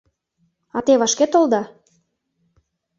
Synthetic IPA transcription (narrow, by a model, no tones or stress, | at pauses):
ɑt̪eβɑʃket̪old̪ɑ